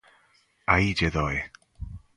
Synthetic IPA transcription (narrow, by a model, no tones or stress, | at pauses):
ajd͡ʒɛðɔj